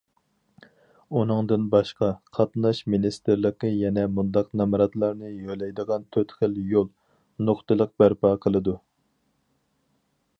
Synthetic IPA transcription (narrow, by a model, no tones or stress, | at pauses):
unɨŋd̪ɨnbɑʃqɑqʰɑt̪nɑʃminist̪ɪɾlɪqəjɛnɛmund̪ɑqnɑmɾɑt̪lˠɑɾnɨjølɛjd̪əʁɑnt̪ʰøt̪χəljolˠ | noχt̪ɨlˠəq̚bæɾpɑːqʰəlˠɨd̪u